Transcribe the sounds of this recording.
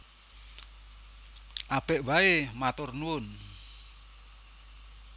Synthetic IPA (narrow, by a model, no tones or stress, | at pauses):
ʔab̥ɛʔwaemat̪ʊrnuʊn